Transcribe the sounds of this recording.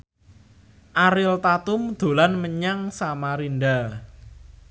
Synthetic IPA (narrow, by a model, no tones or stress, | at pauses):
ʔaɾɪlt̪at̪ʊmd̪̥o̤lanməɲaŋsamaɾinda